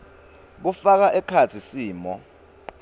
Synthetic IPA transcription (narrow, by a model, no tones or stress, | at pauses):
k̬ufak̬aʔɛkʰat͡sʰisiːmɔ